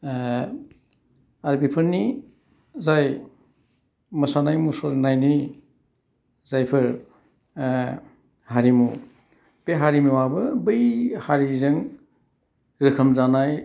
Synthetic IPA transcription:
aɾbipʰɯɾni | zaj | mɐsanajmusɔɾnajni | z̥ajpʰɯɾ | haɾimu | beɦaɾimuwabɯbɯjhaɾizɯŋ | ɾɯkʰɐmzanaj

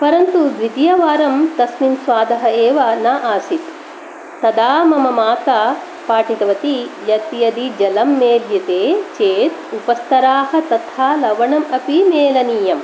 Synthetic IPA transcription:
pɐɾɐnt̪ud̪ʋid̪jɐʋaːɾɐmt̪ɐsminsʋaːd̪ɐɦɐeːʋɐnaʔaːsit̪ | t̪ɐd̪aːmɐmɐmaːt̪a | paːʈit̪ɐʋɐt̪ijɐt̪jɐd̪id͡ʒɐlɐmːeːljɐt̪eːt͡ʃeːt̪upɐst̪ɐɾaːhɐ̆t̪ɐt̪ʰaːlɐʋɐɳɐmɐpimeːlɐniːjɐm

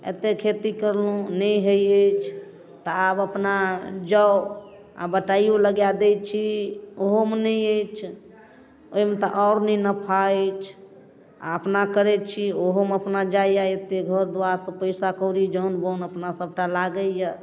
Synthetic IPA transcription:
ḛt̪ekʰet̪ikəɾlũnəjɦəjət͡ʃʰ | t̪ɔabəpnad͡ʒə | a̰bəʈajoləɡjad̪et͡ʃʰioɦomenəjəjt͡ʃʰ | omet̪ɔʔɔɾnənəpʰaet͡ʃʰ | a̰əpnakəɾɛt͡ʃʰioɦoməpnad͡ʒaijaet̪eɡʱəɾd̪uaɾsə̃pəɪsakəɾid͡ʒəunbonəpnasəb̚ʈalaɡəjə

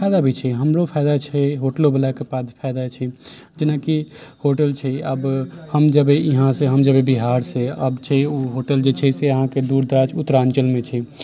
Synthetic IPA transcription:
pʰaɪd̪abit͡ʃʰɛɦəmɾopʰajd̪at͡ʃʰɛɦoʈlobəlakepad̪pʰajd̪at͡ʃʰɛ | d͡ʒenakihoʈəlt͡ʃʰɛəbhəmd͡ʒəbeiɦãseɦəmd͡ʒəbebiɦaɾseə̰bt͡ʃʰɛuɦoʈəld͡ʒet͡ʃʰɛseəɦãked̪uɾd̪ɾad͡ʒʰut̪ːɾant͡ʃəlmet͡ʃʰɛ

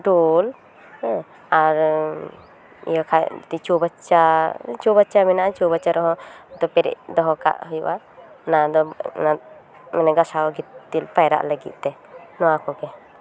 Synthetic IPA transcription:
ɖɔl | aɾ | ḭjakʰat̪it͡ʃɔbat͡ʃat͡ʃɔbat͡ʃamɛnaʔat͡ʃɔbat͡ʃaɾɔɦɔ̃d̪ɔpɛɾɛ̰ʔd̪ɔɦɔka̰ʔhɔjṵʔa | nad̪ɔna | mɛnɛɡasaɡit̪t̪ːilpajɾa̰ʔləɡḭt̪̚t̪ɛnɔwakɔkɛ

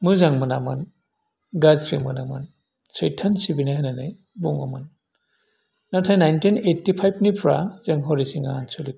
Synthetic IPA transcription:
mɯzaŋmɯnamɯ̰n | ɡazpʰɾimɯna̰mɯ̰n | sɔjtʰːansibinaɦananɯj | buŋɔ̰mɯn | natʰajnːajntinetːipʰajbnipʰɹa̰z̥ɯŋɦɔɾisiŋansɔlik

